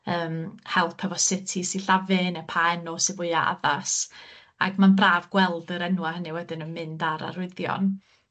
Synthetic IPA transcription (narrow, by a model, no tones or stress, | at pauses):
əːmhɛlˠpʰɛvɔsɪtʰisiɬavɪnɛpʰaɛnɔsɪvʊɨaa̰ðas | a̰ɡmanbraːvɡwɛlˠdəɾɛnwahəniwɛdɪnənmɪndaɾa̰ɾʊɨðjɔ̰n